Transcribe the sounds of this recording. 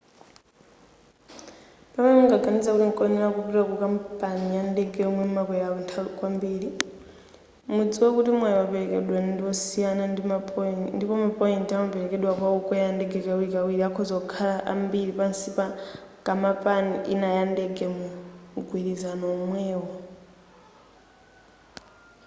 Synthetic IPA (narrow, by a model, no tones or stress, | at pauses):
pamɛmuŋɡaɡʱanid͡zakutiŋkʼɔnɛɾakupiwakukampʼanijandɛɡɛɔmwɛmumakwɛjaɔntʰakwambiːɾi | mud͡ziwɛkutimwɛjɔwapɛɛkɛɗwanndiwɔsijananiandipɔmapɔintiamapɛɾɛkɛɗwakwaukɔjandɛɡɛkawikawiɾiakʰɔzɔkʰalaʔa̰mbiɾipansipakʼamapʼaniʔinajandɛɡɛmuɡʱwiɾizanɔːmwɛːwɔ